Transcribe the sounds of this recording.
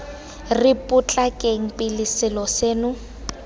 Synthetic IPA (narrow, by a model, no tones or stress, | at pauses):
rɪpʼʊt͡ɬʼakʼeŋ̩pʼɪlɪsɪlɔseːnʊ